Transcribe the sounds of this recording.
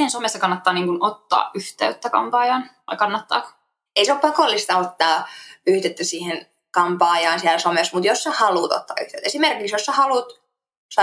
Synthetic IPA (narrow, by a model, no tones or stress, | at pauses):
hensomest̪ːɑkɑnːɑt̪ːɑːniːŋkunot̪ːɑ̰ːʔyht̪æ̰yt̪ːækɑ̰mpɑːjɑːnʋɑikɑnːɑt̪ːɑ̰ːk | eiseoppɑkolːist̪ɑot̪ːɑːyhd̪et̪ːæsiːhen | kɑmpɑːjɑːnsiælsomesmut̪josːɑhɑluːt̪o̰t̪ːɑ̰ːy̰ht̪æyt̪esimerkiksjosːɑhɑluːˑt̪ | sɑ